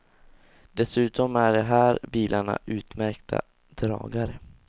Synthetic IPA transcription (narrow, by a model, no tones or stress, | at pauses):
d̪̥ɛsʉ̟ːt̪ɔmæɖɛɦæːɾbiːlʔaɳa̰ʔʉ̟ːt̪mæɾkt̪ʰa̰ | d̪̥ɾɑ̰ːɡaɾə